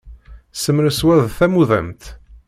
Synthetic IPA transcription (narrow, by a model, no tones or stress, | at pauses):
səmɾəswæðθæmuðæ̰mt̪